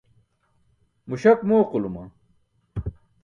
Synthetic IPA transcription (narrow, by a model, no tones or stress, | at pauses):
muɕɐkmoːqulumɐ̰